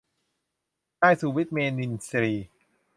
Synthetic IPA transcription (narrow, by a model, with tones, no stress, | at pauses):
kaː˥˩jsuː˨˩wi˦˥t̪̚meː˧ni˧nsɾiː˧